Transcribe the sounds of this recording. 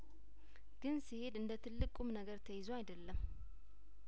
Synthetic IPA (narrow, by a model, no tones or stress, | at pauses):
ɡ̥ɨnsihe̞d̪ɨnd̪ət̪ʰɨlːɨkʼumnəɡəɾt̪ʰəjɪzoajd̪əlːəm